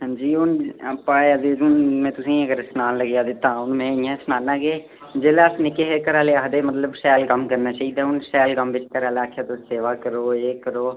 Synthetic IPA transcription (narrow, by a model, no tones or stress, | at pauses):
ɦãd͡ʒiːʊnapːãːəd̪eːd͡ʒʊnmɛ̃ːt̪ʊsĩːəɡəɾsənaːnləɡjaːd̪ɪt̪ːãːʊnmɛ̃ːɪjãːsənaːnãːɡeː | d͡ʒeːlaːsnɪkːeːɦekəɾaːleːaɦd̪eːmət̪ləbsɛːlkəmkəɾnaːt͡ʃaːɦiːd̪aːʊnsɛːlkəmʋɪt͡ʃkəɾaːlaːkʰjaːt̪ʊseːʋaːkəɾoːeːkəɾoː